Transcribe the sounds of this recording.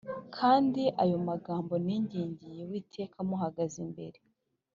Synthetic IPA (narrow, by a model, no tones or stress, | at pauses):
kʰaːndiʔajo̞maɡaːmbo̞niɲɟiːɲɟijewiːtʰe̞ːkʰamuɦaɡazimbe̞̰ɾe